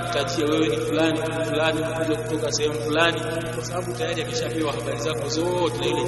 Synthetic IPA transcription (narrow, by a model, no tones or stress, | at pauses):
utaʄiawɛwɛnifulanifulanimukuzakutɔkasɛhɛmufulani | kwasaɓaɓutajaɾiamɛʃapɛwahaɓaɾizakɔzɔtilailɛ